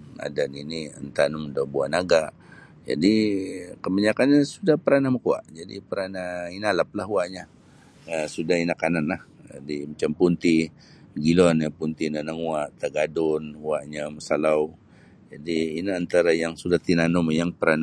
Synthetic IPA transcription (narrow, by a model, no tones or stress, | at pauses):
a̰daniniə̰nt̪anʊmdabuanaɡaʔ | d͡ʒa̰dikəbaɲakanɲasudahpəɾanaməkua̰ʔd͡ʒadḭpəɾanainalap̚laɦwaʔɲa | əsudahinakananlahadimət͡ʃampunt̪i | ɡilɔnapunt̪inənəŋwaʔt̪əɡadʊnwaʔɲaməsalaw | d͡ʒadiːnaːnt̪aɾajaŋsudaht̪inanʊmjaŋpəɾan